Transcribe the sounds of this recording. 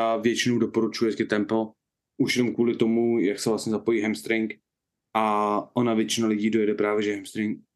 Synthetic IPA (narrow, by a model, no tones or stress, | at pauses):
avjɛt͡ʃɪnowdopo̞ɾut͡ʃujɛkɪt̪ɛmplo | ʔuʃjɛnomkvuːlɪt̪o̞mujaksɛvlast̪ɲɛzapo̞jiːɦɛmst̪ɾɪŋk | ʔaʔo̞navjɛt͡ʃɪnalɪɟiːdo̞jɛdɛpɾaːvjɛʒɛɦɛmst̪ɾɪŋk̚